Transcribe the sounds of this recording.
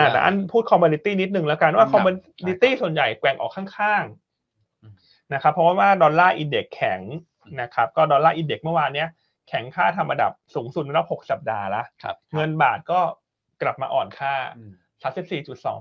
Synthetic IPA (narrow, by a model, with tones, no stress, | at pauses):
ʔaː˨˩t̪a̰˧ʔa̰˥˩npʰuː˥˩t̪̚kʰɔ˧moː˧ni˧t̪iː˥˩ni˦˥t̪̚nɯ˨˩ŋlɛː˦˥ka˧n˦waː˥˩kʰɔ˧mo˧ni˦˥t̪iː˥˩su˨˩ənja˨˩jkwɛ˧ŋʔɔ̰ː˨˩kʰːaː˥˩ŋkʰaː˥˩ŋ | na˦˥kʰa˦˥pʰːɔ˦˥waː˥˩waː˥˩dɔː˧nlaː˥˩ʔi˧nde˨˩kʰːɛ˨˩˦ŋ | na˦˥kʰa˦˥p̚kɔː˥˩dɔː˧nlaː˥˩ʔiː˧nde˨˩k̚mɯ˥˩waː˧nːi˦˥ɐ | kʰɛ˩˦ŋkʰaː˥˩t̪ʰa˧mʔa˧da̰˨˩p̚suː˩˦ŋsu˨˩na˥˩ɾa˦˥p̚ho˨˩k̚sa˨˩p̚daː˧la˦˥ʔŋɤ˧nbaː˨˩t̪̚kɔː˥˩ | kla˨˩p̚ma̰ː˧ʔɔ̰ː˨˩nkʰaː˥˩ | sʰa˦˥si˨˩p̚siː˨˩t͡ɕu˨˩t̪̚sɔ̰ː˩˦ŋ